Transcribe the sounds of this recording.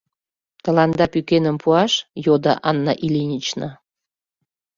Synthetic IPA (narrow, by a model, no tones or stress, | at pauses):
t̪əlɑnd̪ɑpykenəmpʰuɑʃjod̪ɑ̰ʔɑnːɑ̰ʔilinʲit͡ɕnə